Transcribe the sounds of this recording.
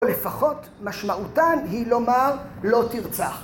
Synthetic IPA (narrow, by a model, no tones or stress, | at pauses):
olefaχo̞t̪ | maʃmaʔutanhilo̞maʁlo̞tiʁt͡saχ